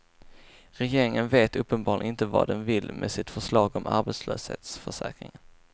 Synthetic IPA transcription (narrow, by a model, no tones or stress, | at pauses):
ɾɛjeːɾɪŋənveːt̪ɵpːənbɑːɾlɪ̰nɪnt̪əvɑ̰d̪ɛnvɪlmʔɛsɪt̪fœʂlɑːɡɔmʔa̰ɾbɛt̪sløːshḛːt̪sfœʂɛ̰ːkɾɪ̰ŋən